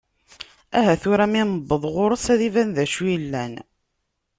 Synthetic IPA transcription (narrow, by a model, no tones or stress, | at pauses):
æɦæθʊɾæminəbːəðˤʁoɾˤəsæðivænðæʃujlːæn